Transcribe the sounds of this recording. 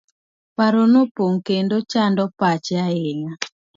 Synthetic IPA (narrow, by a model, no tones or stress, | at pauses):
paɾonopoŋkendot͡ʃandɔpat͡ʃjaɪŋa